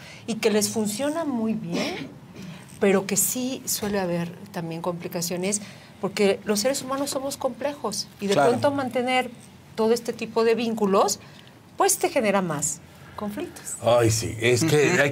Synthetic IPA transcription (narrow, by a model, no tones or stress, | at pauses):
ike̞le̞sfunsjo̞namujβje̞n | pe̞ɾo̞ke̞siswe̞leaβe̞ɾt̪ambje̞ŋko̞mplikasjo̞ne̞s | po̞ɾke̞lo̞sːe̞ɾe̞sumãnosːo̞mo̞sko̞mple̞xo̞siðepɾo̞nt̪omãnt̪e̞ne̞ɾ | t̪o̞ðo̞e̞st̪e̞t̪ipo̞ðe̞βiŋkulo̞s | pwe̞st̪e̞xe̞ne̞ɾamas | ko̞ɱflik̚t̪o̥sajsḭeskea